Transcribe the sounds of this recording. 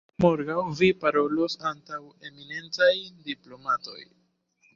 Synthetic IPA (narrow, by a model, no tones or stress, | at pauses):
moɾɡawvipaɾo̞losantawe̞mine̞nt͡sajdiplo̞mato̞̰j